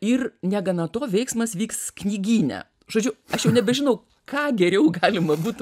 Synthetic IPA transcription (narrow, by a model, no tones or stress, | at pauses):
ɪrnʲɛɡɐnɐt̪oːʋʲɛɪksmɐsʋʲiːksknʲiːɡʲiːnʲɛ̰ | ʒoːd͡ʒʲʊɐʃjɛʊnʲɛbʲɛʒʲɪnɐʊ | kɑːɡʲɛɾʲɛʊɡɑːlʲɪmɐbuːt̪